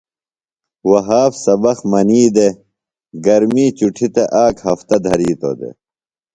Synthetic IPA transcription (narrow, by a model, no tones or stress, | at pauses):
wɐɦaːfsɐbɐxmɐniːd̪e | ɡɐɾmiːt͡ɕuʈʰit̪eʔaːkhɐft̪ɐd̪ʱɐɾiːt̪o̰d̪ḛ